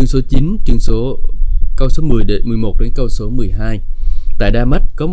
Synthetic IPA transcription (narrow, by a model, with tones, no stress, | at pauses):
ɨ˧əŋso˨˦t͡ɕi˨˦nt͡ɕɨ˧əŋso˨˦kə˧wso˨˦mɨ˨˩əjɗe˨˦nmɨ˨˩əjmo˨˩t̚ɗe˨˦nkə˧wso˨˦mɨ˨˩əjɦaː˧jt̪a̰ː˧˨jɗaː˧ma˦˥t̚kɔ˨˦m˨